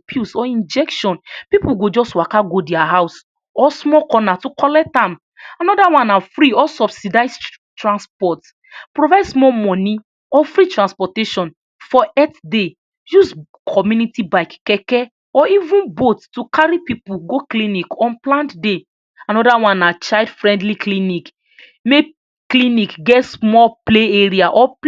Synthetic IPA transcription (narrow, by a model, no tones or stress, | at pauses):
pʰjusɔĩnd͡ʒɛkʃɔ̃npipuɡod͡ʒɔswakaɡodɛaɦaʊs | ɔsmɔkɔnatukɔlɛk̚tãm | anɔdawãnafɾiɔsɔbsidaɪs | tɹãnspɔt | pɹovaɪdsmɔmɔ̃ni | ɔfɹitɹãnspɔteʃɔ̃n | fɔɛtde | juz | kʰɔmjunitibaɪkːɛkɛ | ɔivũnbottukaɾipipuɡoklĩnikɔ̃nplãntde | ãnɔdawãnat͡ʃaɪdfɹɛ̃ndliklinik | me | klĩnikɡɛtsmɔpleeɹiaʔɔp